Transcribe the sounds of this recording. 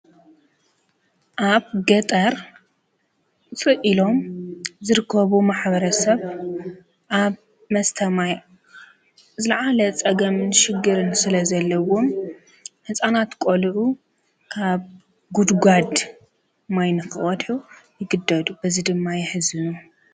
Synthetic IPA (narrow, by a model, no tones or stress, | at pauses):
ʔaβɡɐt̪ʼɐɾ | t͡sʼɨʔilo̞mzɨɾɨkʰːɐβumaħbɐɾɐsɐβ | ʔaβ | mɐst̪ʰɐmaj | zɨlaʕalɐt͡sʼɐɡɐmɨnʃɪɡːɨɾɨnsɨlɐzɐlːɐwo̞m | ħɨsʼanat̪kʼolʕu | kʰaβ | ɡud̪ɡʷad̪ | majnɨxɨʔɔd̪ħujɪɡɨd̪ːɐd̪ubɐzid̪ɨmːajɪħɨzɨnu